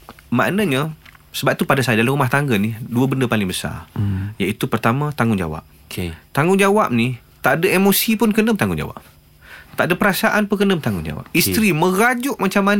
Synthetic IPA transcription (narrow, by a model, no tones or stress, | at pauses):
ma̰ʔnaɲasəbap̚t̪upadasajadalamrumaht̪aŋɡəniduəbəndəpalɪŋbəsa̰jait̪upərt̪amãt̪aŋɡʊŋd͡ʒa̰wa̰p̚ | t̪aŋʊŋd͡ʒawap̚ni | t̪aʔdaemosipʊnkənəmt̪aŋɡʊ̰nd͡ʒa̰wa̰p̚ | t̪aʔdapəɾasaʔanpukənəmt̪aŋɡʊnd͡ʒa̰wa̰p̚ist̪ɾimə̃ɡad͡ʒʊʔmat͡ʃamːan